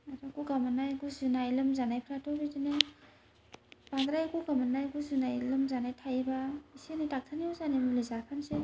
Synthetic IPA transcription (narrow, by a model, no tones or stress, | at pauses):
aɾakuɡamanajɡuzunajlɯmzanajpʰɾatʰɔbitine | baŋɡɾajkuɡamanajɡuzunajlɯmzanajtʰajbaisenajtak̚tʰaniɔzanemulizapʰanse